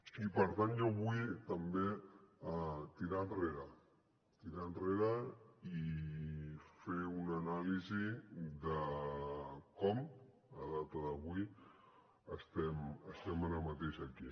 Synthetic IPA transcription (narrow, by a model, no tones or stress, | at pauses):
ipəɾt̪anʒoβujt̪əmbeat̪iɾanreɾə | t̪iɾanreɾəi | feunənaliziðə | kɔm | ə̰ðat̪əðəβuj | əst̪ɛməst̪ɛmaɾəmət̪eʃaki